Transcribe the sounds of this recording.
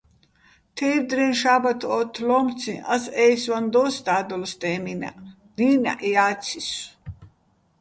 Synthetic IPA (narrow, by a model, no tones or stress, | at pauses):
t̪ʰɛːɾd̪ɾɛnʃaːbat̪ʰɔt̪ʰlɔmt͡sʰiʔa̰sɛːswand̪ɔːst̪aːd̪ɔlst̪ʼɛːmina̰ | d̪iːna̰ʔiaːt͡sʰis